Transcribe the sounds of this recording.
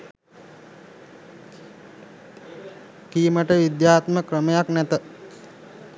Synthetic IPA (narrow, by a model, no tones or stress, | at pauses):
kiːməʈəʋid̪jaːt̪məkrəməjaknæt̪ə